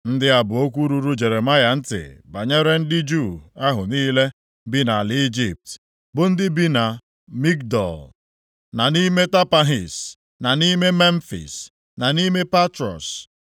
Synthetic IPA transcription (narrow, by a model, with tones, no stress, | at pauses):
n̩˦dɪ˦a˨bʊ˨o˦kʷu˦ɾu˦ɾu˦d͡ʒe˨ɾe˨ma˦ja˨n̩˦tɪ̰˨ba˨ɲe˦ɾe˦n̩˦dɪ˦d͡ʒu˦˨a˦ɦʊ˨niː˦le˦ | bi˦na˨lɪ˦d͡ʒi˨p̚t | bʊ˨n̩˦dɪ˦bi˦na˨ | mi˦kdɔ̰˨l | na˨ni˦me˦ta˦pa˦ɦi˨s | na˨ni˦me˦me˦n̩˦fḭ˨s | na˨ni˦me˦pa˦tɾɔ̰˨s